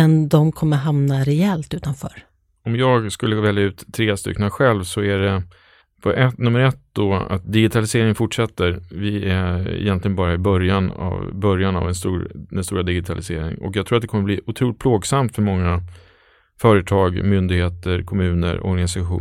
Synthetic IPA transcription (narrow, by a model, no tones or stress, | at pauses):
ɛnd̪ɔmkʰɔmːəɾɦamnaɾɛɛlt̪ʉ̟ːt̪anfœ̰ːɾ | ɔmjɑːɡskɵlːəəvɛljaʉ̟ːt̪ʰːɾeːst̪ʏ̰kːnaɧɛlvsɔæɖɛ | pʰɔʔɛt̪nɵmːəɾɛt̪̚d̪ɔa̰t̪̚d̪ɪɡɪt̪ʰalɪseːɾɪŋənfʊʈʂɛt̪ːəɾvɪæ̰jɛnt̪lɪɡənbɑːɾaɪbœɾjana̰vbœɾjana̰vɛnst̪uːɾd̪ɛnst̪ṵːɾad̪ɪɡɪt̪ʰalɪsḛːɾɪ̰ŋɔ̰kjɑɡt̪ʰɾuːat̪d̪ɛkʰɔmːəbliːʔʊt̪ʰɾuːlɪt̪̚pʰloːɡsamt̪fœɾmɔŋːa | fœːɾət̪ʰɑːɡmʏnd̪ɪɡheːt̪əɾkʰɔmʉ̟ːnə̰ɾɔ̰ɾɡanɪsaɧṵː